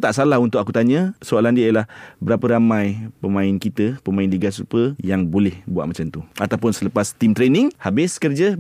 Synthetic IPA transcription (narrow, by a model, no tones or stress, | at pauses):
t̪aʔsalahunt̪ʊkakut̪aɲə̃soalandiiəlahbəɾapəɾamãjpəmãɪnkit̪əpəmãɪnliɡasupəjaŋbolɛhbua̰ʔ̚mat͡ʃamt̪uat̪awpʊnsələpast̪imt̪ɾenɪŋhabɪskərd͡ʒə